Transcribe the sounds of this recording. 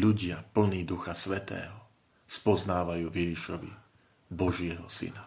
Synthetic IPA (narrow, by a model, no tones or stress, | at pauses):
ʎuɟɪapl̩niːd̪uxasʋɛt̪ɛ̰ːɦɔ | spɔznaːʋajuːvjɛʒiʃɔʋḭ | bɔʒɪɛɦɔsḭna